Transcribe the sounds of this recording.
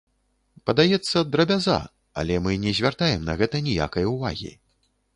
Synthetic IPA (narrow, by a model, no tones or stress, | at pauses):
pɐd̪ajɛt̪sːɐd̪ɾɐbʲaza̰ | ɐ̰lʲɛmɨnʲɛzʲvʲart̪ajɛmnɐ̰ɣɛt̪ɐnʲija̰kɐjɐuva̰ɣʲḭ